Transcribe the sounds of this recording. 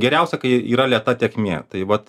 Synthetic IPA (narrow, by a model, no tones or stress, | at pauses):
ɡʲɛɾʲɛʊsʲɛkɐɪiːɾɐlʲiɛt̪ɐt̪ʲiɛkmʲeːt̪ɐɪʋɐt̪